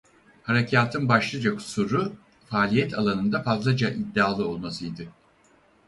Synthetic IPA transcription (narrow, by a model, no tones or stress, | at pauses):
haɾecʰaːt̪ʰɯnbaʃlˠɯd͡ʒaku̥suɾu | faːlʲijɛt̪ʰalˠanɯnd̪afazlˠad͡ʒaʔid̪ːiaːlˠɯo̞lˠmasɯjd̪ɯ